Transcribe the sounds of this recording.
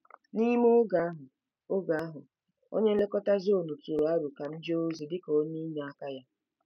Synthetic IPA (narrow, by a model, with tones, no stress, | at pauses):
ni˦mo˦ɡa˨˦ɦʊ˨ | o˦ɡa˨a˦ɦʊ˨ | o̰˦ɲe˦le˦kɔ˦ta˦zo˦˨nu˨tu˨ɾo˨a˦ɾu˨ka˨n̩˦d͡ʒe˦o˦zi˨dɪ˦kɔ˨˦ɲi˦ɲa˨a˦ka˦ja˦